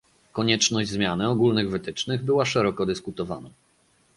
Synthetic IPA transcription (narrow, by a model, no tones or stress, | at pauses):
kɔɲɛt͡ʂnɔʑd͡ʑʲzmʲjanɘɔɡulnɘɣvɘt̪ɘt͡ʂnɘɣbɘwaʂɛɾɔkɔd̪ɘskut̪ɔva̰na